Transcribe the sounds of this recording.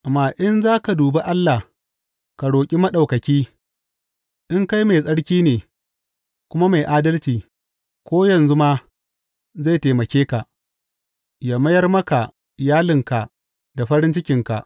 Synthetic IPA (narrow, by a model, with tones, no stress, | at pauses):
maː˨ʔɪ˦nzaː˦ka˨duː˨be˦ʔa˦lːa˨h | ka˨ɽoː˨kʲʼi˦mɐ˦ɗa˨wkɐ˨kʲiː˦ | ʔɪ˦ŋka˦jma˨sʼɐ˦ɽkʲiː˦neː˨ | kʷʊ˦ma˦ma˨jʔaː˦dɐ˦lt͡ʃiː˨ | kʷoː˦jɐ˨nzu˦maː˦ | za˦˨teː˨mɐ˨kʲeː˦ka˨ | jaː˨mɐ˦jɐ˦rmɐ˦ka˨ | ɪ˨jaː˦lɪ˨ŋka˨ʔ | da˨ɸɐ˦ɾɪ˦nt͡ʃɪ˦kʲɪ˨ŋka˨ʔ